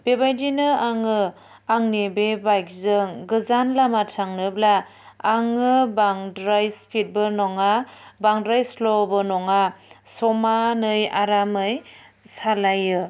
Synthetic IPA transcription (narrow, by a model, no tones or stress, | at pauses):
bebajdinɯaŋɯ | aŋnebebajk̚zɯŋɡɯzanlamatʰaŋnɯblaː | ŋɯbaŋdɾajspʰit̚bɯnɔŋabaŋdɾajslɔbɯnɔŋasɔmanɯjaɾamɯj | salajɯ